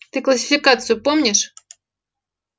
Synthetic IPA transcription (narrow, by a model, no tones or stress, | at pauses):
t̪ɨklˠɐsʲɪ̥fʲɪkat̪sɨjʊpomnʲɪʂ